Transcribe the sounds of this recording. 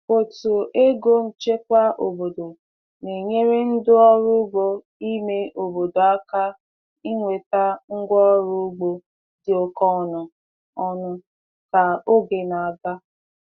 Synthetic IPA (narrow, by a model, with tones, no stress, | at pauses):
o˨tu˨ʔe˦ɡo˦m̩˨t͡ʃe˦k̚ʷa˦ʔo˨bo˨do˨ | ne˨ɲe˦ɾe˦n̩˦dʊ˦ɔ˦ɾʊ˦ɡ͡bo˦ | i˦me˦ʔo˨bo˨do˨a˦ka˦ | i˦ŋʷe˨ta˦ŋ̩˦ɡʷɔ˦ɔ˦ɾʊ˦ɡ͡bo˦ | dɪ˨o˨kɔ˦˨nʊ˨ | ɔ˦nʊ˦ | ka˨o˦ɡe˨na˨a˨ɡa˦